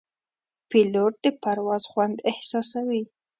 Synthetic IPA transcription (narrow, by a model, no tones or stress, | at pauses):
piloʈ̚d̪əpaɾwɑzxwand̪ɪhsɑsawi